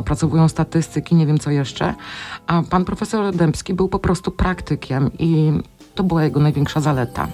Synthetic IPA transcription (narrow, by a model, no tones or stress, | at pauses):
pɾat̪sɔvujɔ̃w̃st̪at̪ɘst̪ɘkʲiɲevʲjɛmt̪sɔjɛʂt͡ʂɛ̰apanpɾɔfɛsɔɾd̪ɛmpskʲibɘwpɔpɾɔst̪upɾakt̪ɘkʲʰɛmi | t̪ɔbɘwajɛɡɔnajvʲjɛŋkʂazalɛt̪a̰